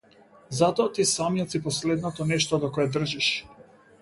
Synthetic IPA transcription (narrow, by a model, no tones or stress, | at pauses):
zat̪ɔat̪isamijɔt̪sipɔslɛd̪nɔt̪ɔnɛʃt̪ɔd̪ɔkɔɛd̪r̩ʒiʃ